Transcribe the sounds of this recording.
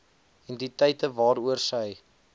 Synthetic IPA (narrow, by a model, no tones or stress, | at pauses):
ɛnditəjtəvɑːɾuərsəj